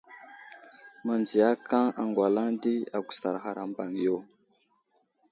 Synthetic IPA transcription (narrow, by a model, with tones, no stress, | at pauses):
ma˨nd͡zi˨ja˦ka˦a˨ŋɡwa˨la˦ŋdi˦a˨ɡʷu˨sa˨ɾxa˨ɾa˨mba˨ŋ˨jo˦˨